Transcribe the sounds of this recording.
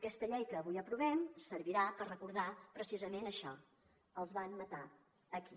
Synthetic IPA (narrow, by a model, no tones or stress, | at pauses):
əkɛst̪əʎɛjkəːβujəpɾuβɛmsəɾβiɾapərrəkuɾðapɾəsizəmenəʃɔ | əlˠzβanmət̪a | əki